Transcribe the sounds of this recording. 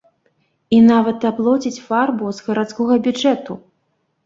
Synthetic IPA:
inavɐt̪aplˠɔt͡sʲit͡sʲfarbuzɣɐɾat̪skɔɣɐbʲud͡ʐɛt̪u

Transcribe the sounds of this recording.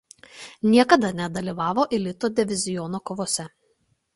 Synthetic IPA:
nʲiɛkɐd̪ɐnʲɛd̪ɐlʲiːʋɑːʋoːʔɪlʲɪt̪oːd̪ʲɪʋʲɪzʲɪjɔnoːkoːʋoːsʲɛ

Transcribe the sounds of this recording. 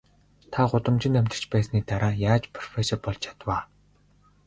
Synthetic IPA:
t̪ʰaɢʊt̪ə̆mt͡ɕɪ̆næmʲt̪ə̆rt͡ɕpæːsniːt̪aɾaːjaːt͡ɕpʰrɔ̥fesɔrpɔɮt͡ɕʰḁt̪waː

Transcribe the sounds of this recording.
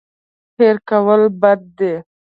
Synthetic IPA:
peɾkawəlbad̪̚ːe

